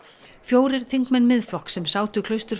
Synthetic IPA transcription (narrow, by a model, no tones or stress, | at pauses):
fjoːwɾɪɾ̥θiŋkmɛnːmɪðflɔhksɛmsaːwt̪ʏkʰlœɥst̪ʏɾ̥